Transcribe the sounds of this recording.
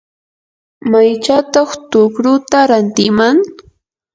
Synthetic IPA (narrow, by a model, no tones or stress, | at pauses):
majt͡ʃat̪ɑχt̪ʊkɾʊt̪aɾant̪ɪmaŋ